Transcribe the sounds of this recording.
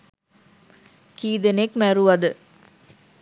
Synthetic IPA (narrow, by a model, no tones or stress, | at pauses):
kiːd̪enekmæɾuʋɐd̪ə